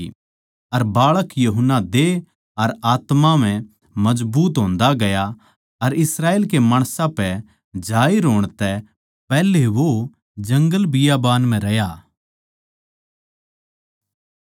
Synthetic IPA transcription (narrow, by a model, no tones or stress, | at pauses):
ɐɾbaːɭəkjuɦənːad̪e | ɐɾaːt̪mam̤ɛ̃ | mɐd͡ʒbuːt̪ɦõːnd̪aɡɐja | ɐɾɪsɾaːeːlkemaːɽ̃sãpɛ | d͡ʒaːiɾoːɽ̃t̪ɛ | pɛːleʋo | d͡ʒɐ̃ŋɡəlbɪjabaːnm̤ɛ̃ɾɐja